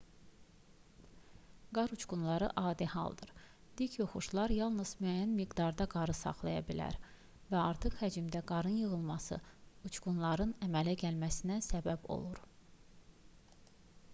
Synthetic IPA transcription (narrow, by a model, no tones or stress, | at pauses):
ɡɑɾut͡ʃɡunlˠɑɾɯʔɑːd̪ihɑ̰lˠd̪ɯɾ | d̪̥icʰjoχuʃlˠɑɾjɑlˠnɯz̥myæjːænmiɡd̪ɑɾd̪ɑɡɑɾɯsɑ̰χlˠɑ̰jɑ̰bilæ̰ɾ | væɑɾt̪ʰɯχhæd͡ʒimd̪æɡɑɾɯnjɯɣɯlˠmɑsɯ̰ut͡ʃɡunlˠɑɾɯnæmælæɟælmæsinæsæbæbo̞̰lˠuɾ